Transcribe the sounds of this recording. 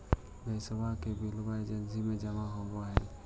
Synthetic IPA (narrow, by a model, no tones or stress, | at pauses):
d̪əjsəbʱakebilbaed͡ʒənsimed͡ʒəmaɦobaɦɛ̰